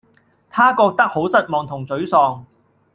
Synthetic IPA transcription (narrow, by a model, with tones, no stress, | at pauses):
t̪ʰaː˥kɔː˧k̚t̪ɐ˥k̚ho˨˥wsɐ˥t̚mɔː˨˧ŋt̪ʰʊ˨˩ŋt͡sɵ˨˥ɥsɔː˧ŋ